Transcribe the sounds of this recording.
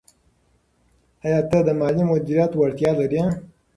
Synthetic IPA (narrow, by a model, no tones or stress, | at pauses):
ajɑːt̪əd̪əmɑːlimʊd̪iɾjɑːt̪wɐɽt̪jɑːlɐɾijã